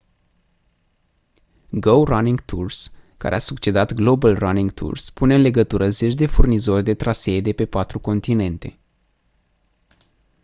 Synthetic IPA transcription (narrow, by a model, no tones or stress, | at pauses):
ɡəwraniŋɡt̪ʰurska̰ɾʔeasukt͡ʃe̞d̪at̪ɡlo̞bəlraniŋɡt̪ʰṵrspuneɨnle̞ɡət̪uɾəze̞t͡ʃʲd̪e̞furnizo̞rʲd̪e̞t̪ɾase̞d̪e̞pe̞pat̪ɾuko̞nt̪ine̞nt̪e̞